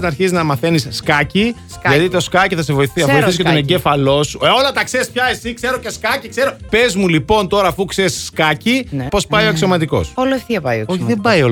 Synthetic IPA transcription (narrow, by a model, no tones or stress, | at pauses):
nɐɾçiziznɐmɐθe̞nisːkɐci | ʝɐt̪it̪o̞skɐciθɐsevoiɐvojθisiskeoneɲɟefɐlo̞suo̞lɐt̪ɐkse̞ɾispçɐesikse̞ɾo̞ce̞skɐcikse̞ɾope̞zmulipo̞nt̪o̞ɾɐːfukseɾsskɐcipo̞spɐjo̞eksiomɐt̪iko̞̰soloefθiɐpɐjooçiðembɐjo